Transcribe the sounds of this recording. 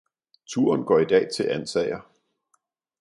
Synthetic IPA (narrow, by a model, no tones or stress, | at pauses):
t͡sʰuɐnɡ̥ɒ̰ːid̥ɛ̰ːt͡sʰe̝lʔænsɛɪɐ